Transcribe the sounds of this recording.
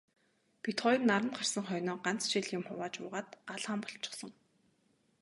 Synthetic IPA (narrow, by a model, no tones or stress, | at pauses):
pʰit̪χɔjinːaɾə̆nt̪χar̥sə̆ŋχœjnɔːɢan̥t͡sʃiɮjʊmχʊwaːt͡ɕʊ̰ːʁaːt̪ɢaɮʁaːmpɔ̥ɬt͡ɕɪ̥̆χsɞ̆ŋ